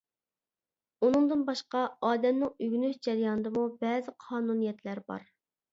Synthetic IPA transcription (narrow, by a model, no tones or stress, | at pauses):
unɨŋd̪ɨnbɑʃqɑɑːd̪ɛmnɪŋyɡʲnyhd͡ʒɛɾjɑnɨd̪ɨmubɛːzɪqʰɑːnunijɛt̪læɾbɑ̰ɾ